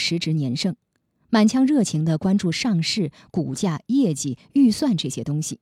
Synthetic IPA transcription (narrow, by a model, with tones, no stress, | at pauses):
ʂɻ̩˧˥ʈ͡ʂɻ̩˧˥njɛ˧˥nʂɤ˥ŋ | ma˨˩nt͡ɕʰjɑ˧˥ŋɻɤ˥˩t͡ɕʰi˧˥ŋd̪ə˧kwa˥nʈ͡ʂu˥˧ʂɑ˥˧ŋʂɻ̩˥˩ | ku˨˩t͡ɕja˥˩jɛ˥˩t͡ɕi˥˩y˥˧swa˥˧nʈ͡ʂɤ˥˩ɕjɛ˥t̪ʊ˥ŋɕi˨˩